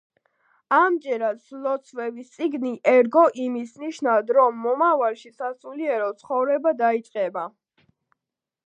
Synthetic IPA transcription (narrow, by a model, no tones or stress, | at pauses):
amd͡ʒɛɾad̪slɔt̪sʰvɛvist̪sʼiɡniʔɛɾɡɔʔimisniʃnavd̪ɾɔmːɔmavalˠʃisat̪suliɛɾɔt̪sʰχɔvɾɛbad̪ait̪sʼqʼɛba